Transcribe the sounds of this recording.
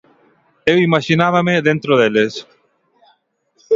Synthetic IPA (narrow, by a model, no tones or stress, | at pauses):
ewimaʃinaβameðẽnt̪ɾoðeles